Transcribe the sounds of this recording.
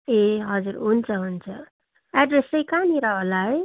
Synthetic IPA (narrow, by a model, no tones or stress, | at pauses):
eɦʌd͡zurɦunt͡sʰʌɦunt͡sʰʌ | aɖresʌjkaniɾʌɦolaj